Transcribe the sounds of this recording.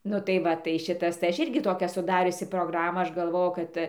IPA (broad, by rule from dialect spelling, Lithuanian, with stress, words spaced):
ˈnʊ tɐɪ ˈʋɐ tɐɪ ˈʃʲɪtɐs tɐɪ ˈɐʃ ˈɪrʲɡʲɪ ˈtoːkʲæː sʊˈdɑːrʲʊsʲɪ proːɡˈrɑːmɑː ˈɐʃ ɡɐlˠˈʋoːjʊ ˈkɐt